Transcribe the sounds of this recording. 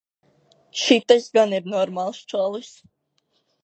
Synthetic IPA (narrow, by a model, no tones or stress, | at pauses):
ʃit̪asɡaniɾnɔɾmalˠst͡ʃɔlˠɨs